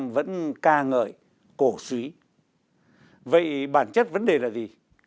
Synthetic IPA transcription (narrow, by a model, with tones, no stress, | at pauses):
mvə̰˧˥nkaː˧ŋəː˧˨˩j | ko˧˩swi˨˦ | və̰˧˨jɓaː˧˩nt͡ɕə˦˥t̚və˨˦nɗe˨˩laː˨˩zi˨˩